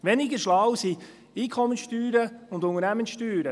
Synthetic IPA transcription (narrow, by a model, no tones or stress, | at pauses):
ʋɛnɪɡəʃlɑwsi | iːkʰɔmːənsʃtyːɾəʊndʊŋəɾnæmənsʃtyːɾə